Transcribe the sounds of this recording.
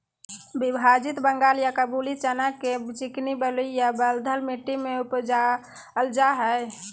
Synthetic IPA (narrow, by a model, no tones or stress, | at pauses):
bibʱad͡ʒit̪bəŋɡaːljakəbulit͡ʃənaket͡ʃiknibəluijabəld̪ʱəlmiʈːimeupd͡ʒa | əld͡ʒaɦə